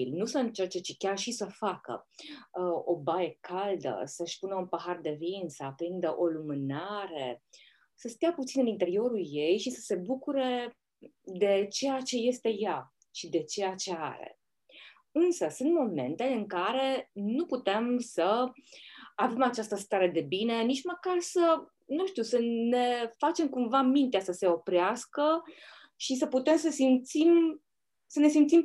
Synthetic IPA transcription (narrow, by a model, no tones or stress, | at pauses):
ilnusəɨnt͡ʃert͡ʃe̞t͡ʃikʲarʃisəfakə̰ | o̞baje̞kald̪ə̰səʃpunəunpaɦard̪e̞vinsəpɾind̪əʔo̞lumɨnaɾe̞ | səst̪eaput̪sinɨnint̪e̞ɾio̞ɾulje̞jʃisəse̞bukuɾe̞ | d̪e̞t͡ʃe̞jat͡ʃe̞je̞st̪e̞ja | ʃid̪e̞t͡ʃe̞jat͡ʃe̞a̰ɾḛ | ɨnsəsunt̪mo̞me̞̰nt̪e̞ɨŋkaɾe̞nuput̪e̞msə | ave̞mat͡ʃast̪əst̪aɾe̞d̪e̞bine̞nit͡ʃməkarsə | nuʃt̪usəne̞fat͡ʃe̞mkumvamint̪easəse̞o̞pɾeaskə | ʃis̬əput̪e̞msəsimt̪sim | səne̞simt̪sim